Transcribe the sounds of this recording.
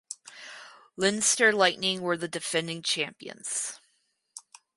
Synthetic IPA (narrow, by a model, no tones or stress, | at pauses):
lɪ̃nstə˞laɪʔnɪ̃ŋwə˞ðɨdɨfɛ̃ndɪ̃ŋt͡ʃʰæ̃mpiɨ̰̃nz̥